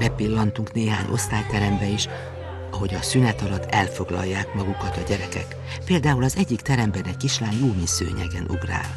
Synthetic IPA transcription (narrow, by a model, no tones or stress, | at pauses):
rɛpilːɒnt̪uŋkneːɦa̰ːɲʔo̞̰st̪aːjt̪ɛɾɛmbɛiʃ | ɒɦo̞ɟɒsynɛt̪ɒlɒt̪ʰːɛlfo̞ɡlɒ̰jːaːkmɒɡukɒt̪ɒɟɛɾɛkɛ̰k | peːld̪aːulɒzɛɟːikt̪ɛɾɛmbɛnɛckːiʃlaːnjoːmisø̰ːɲɛɡɛnʔṵɡra̰ːl